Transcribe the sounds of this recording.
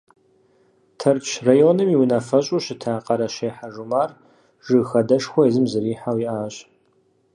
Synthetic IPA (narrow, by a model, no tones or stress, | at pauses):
tʰɐrt͡ʃʰrajonɨmiwnafɐɕʼuɕɪtʰaːqʼɐɾɐɕeːħaʒumaːr | ʒ̥ɨxɐdɐʂxʷɔizɨmzɨɾiːħawiʔaːɕʼ